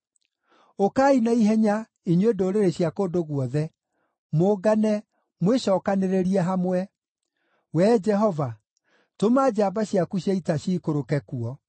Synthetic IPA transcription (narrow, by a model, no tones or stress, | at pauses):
okaːinaiɦɛɲa | iɲwedoɾeɾeɕjakodoɣwɔðɛ | moɡanɛ | mweɕɔːkaneɾeɾiɛɦamwɛ | wɛd͡ʒɛɦɔva | tomaːd͡ʑaːbaɕjakuɕaitaɕiːkoɾokɛkuɔ